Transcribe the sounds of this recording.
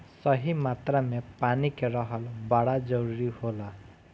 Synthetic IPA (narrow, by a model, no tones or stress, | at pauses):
sʌɦimat̪ramepanikerʌɦʌlbaɽad͡zʌɾuɾihola